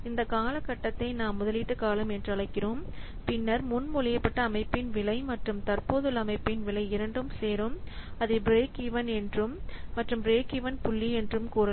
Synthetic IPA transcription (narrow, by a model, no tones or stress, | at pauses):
ɪnd̪ɐkaːlɐkːɐʈːɐt̪ːɐɪnaːmːʊðɐlɪʈːɯkaːlɐmɛndrɯɐɭɐɪkːɪroːm | pɪnːɐɾmʊnmuːlɪjɐpːɐʈːɐːmɐɪpːɪnʋɪlɐɪmɐʈrɯmt̪ɐrpoːðɯlɐmɐɪpːɪnʋɪlɐɪɪɾɐɳɖɯmseːɾɯmɐðɯbɾeːkiʋɐnɛndrɯmːɐʈrɯmbɾeːkiʋɐnpʊɭːiɛndrɯmkuːɾɐ